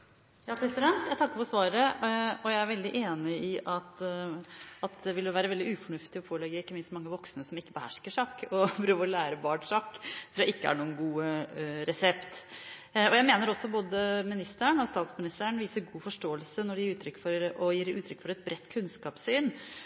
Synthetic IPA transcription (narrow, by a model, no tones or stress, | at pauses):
jɑːpʰɾɛsɪd̪ɛnt̪jæɪt̪ʰɑkːəfɔsʋɑːɾəɔjæɪæɾʋɛld̪ɪʔeːnɪɪʔɑt̪ | ɑt̪̚d̪ɛʋɪlʋæːɾəʋɛld̪ɪʉːfɔɳʉft̪ɪɔpʰoːlɛɡːəɪkːəmɪnst̪mɑŋːəʋɔksnəsɔmɪkːəbəhæʂkəʂɑːkːɔpʰɾøːʋəɾɔlæːɾəbɑːɳʂɑkt̪ʰɾuːɾæɪkːəæ̰ɳuːənɡuːəɾɛsɛpt̪ | ɔjæɪmeːnəɾɔsːɔboːd̪əmɪnɪst̪əɳɔst̪ɑːt̪smɪnɪst̪æɳʋiːsəɾɡuːfɔʂʈoːəlsənɔɖɛjiːʉːt̪ʰɾʏkːfɔɾɔjiːɾʉːt̪ʰɾʏkːfɔɾɛt̪̚bɾɛt̪ːkʰʉnskɑːpsyːn